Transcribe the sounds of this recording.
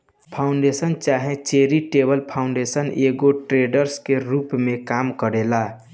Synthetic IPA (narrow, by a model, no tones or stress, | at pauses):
pʰaʊɳɖesənt͡ʃaɦẽt͡ʃeɾiʈebəlpʰaũɳɖesəneɡoʈɾeɖəɾskeɾupmekamkəɾela